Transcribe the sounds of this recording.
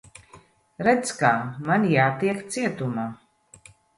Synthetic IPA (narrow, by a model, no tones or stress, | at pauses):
ɾɛd̪skamanjaːt̪iɛkt̪siɛt̪umaː